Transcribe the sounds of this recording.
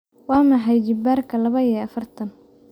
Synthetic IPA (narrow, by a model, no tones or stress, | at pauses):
wɑːmɐħɛjd͡ʒɪbaːrkʰɐlɐβɐɛɐfɐrt̪ʰɐn